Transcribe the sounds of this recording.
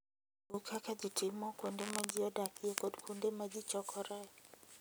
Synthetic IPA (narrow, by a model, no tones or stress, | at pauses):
ukʰakad͡ʒitɪmɔkondemad͡ʒɪɔdakɪekɔdkʰondemad͡ʒɪt͡ʃɔkʰɔɾɛ